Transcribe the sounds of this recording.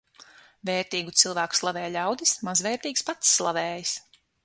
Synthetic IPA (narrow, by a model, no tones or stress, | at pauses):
veːɾt̪iːɡut̪silˠvæːku̥slˠavɛːjlʲawd̪ismazvɛːɾt̪iːkspat̪sːlˠavɛːjis